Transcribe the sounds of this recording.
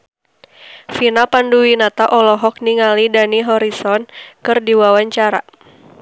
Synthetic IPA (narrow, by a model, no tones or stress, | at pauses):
finapanduwinat̪aʔɔlɔɦɔk̚niŋalidaniɦɔɾisɔnkɨrdiwawaɲt͡ʃaɾa̰